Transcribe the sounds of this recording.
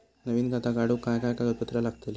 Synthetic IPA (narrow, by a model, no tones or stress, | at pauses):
nəʋiːnɡʱat̪ʰakaɽukajkajkaɡət̪̚pət̪ɾalaɡt̪el